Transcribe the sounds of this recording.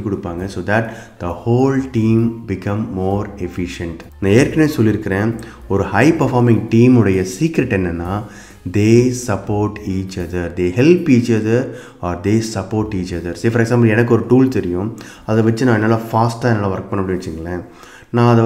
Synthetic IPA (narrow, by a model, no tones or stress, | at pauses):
kɔɽɯpːaːŋɡɐsoːd̪ɐʈd̪̥ɐhoːlʈiːmbɪkɐ̃mːoːɾɛfɪʃɛɳʈnãːeːɾkɐneːsɔlːɪɾɯkːɪɾẽː | ɔɾɯhɐɪpɐɾfaːɾmɪ̃ŋɡʈiːmɯɽɐjɐsiːkɾɛʈːɛnːɐnːaː | d̪eːsɐpoːɾʈiːt͡ʃɐðɐɾd̪eːhɛlpiːt͡ʃɐðɐɾ | ɔːɾd̪eːsɐpːoːɾʈiːt͡ʃɐðɐɾseːfɐɾɛɡsãːmp̬ɐlɛnɐk̬ːɯɔɾɯʈuːlt̪ɛɾɪjʊ̃ | ɐðʋɐt͡ʃːɯnãːɛnːaːlaːfaːsʈːaːɛnːaːlaːʋɐɾk̚pɐɳːɐmːɽɪʋɐt͡ʃːɯŋɡɐɭɐ | nãːɐðɐ